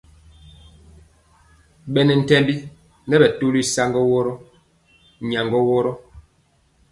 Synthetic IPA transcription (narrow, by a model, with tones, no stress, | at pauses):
ɓɛ˨nɛ˨n̩˨tɛ˦mbi˦ | nɛ˦bɛ˨to˦li˦sa˦ŋɡɔ˦wɔ˦ɾɔ˦ | ɲa˨ŋɡɔ˦wɔ˦ɾɔ˦